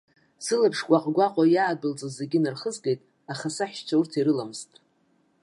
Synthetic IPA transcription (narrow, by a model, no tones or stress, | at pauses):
sɨlapʰʂkʷʼaqʼɡʷaqʼajaːdɨlt͡sʼazeɡʲɪnarχəzɡejtʼ | aχasaħʃt͡ʃʷʰaurtʰiɾɨlamɨztʼ